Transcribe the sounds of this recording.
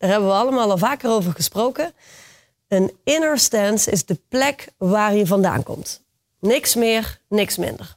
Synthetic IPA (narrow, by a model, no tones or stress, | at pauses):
d̥aːɹɦɛbəʋəɑləmaːlˠɑlˠvaːkərowvəɹχəsprowkə | ənɪnəɹstɛnsɪ̰zdəplɛkʋaːrjəvɑnda̰ːnkɔ̰mt | nɪksmɪːrnɪksmɪ̰ndər